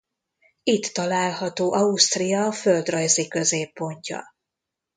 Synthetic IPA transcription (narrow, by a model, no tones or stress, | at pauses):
it̪ːɒlaːlɦɒt̪oːʔɒust̪rijɒːføld̪rɒjzikø̞zeːpːo̞ɲcɒ̰